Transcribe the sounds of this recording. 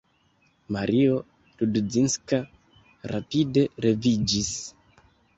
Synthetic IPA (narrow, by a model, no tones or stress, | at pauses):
maɾʔio̞ | tudd͡zinska | ɾʔa̰pide̞ɾe̞vid͡ʒis